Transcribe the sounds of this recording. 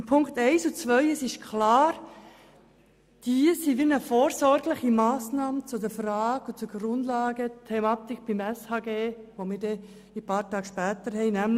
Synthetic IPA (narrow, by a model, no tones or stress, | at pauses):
pʰʊŋkt̪ɛɪsut͡svʋœʏəsɪʃkʰlɑːɾ | d̥iəsiːʋinəfoːɾsɔɾɡlɪχimɑːsnɑːmət͡sudəɾfɾɑːɡ̥ʊt͡suɡɾʊndlɑːɡətʰɛmɑːt̪ɪkb̥imɛshɑːɡeːʋomɪːɾdɛ | ipɑːɾtɑːkʃpæːt̪əɾhɛɪnæml